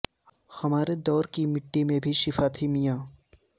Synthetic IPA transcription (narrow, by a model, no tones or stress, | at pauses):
hɐmaːɾed̪ɔːɾkimɪʈːimẽbʱiʃɪfaːt̪ʰimijaː